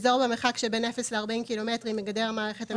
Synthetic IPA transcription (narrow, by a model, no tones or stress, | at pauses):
zoʁbemeχakʃebe̞ne̞fesleaʁbaimkilo̞metʁimːeɡade̞ʁmaːʁeχeta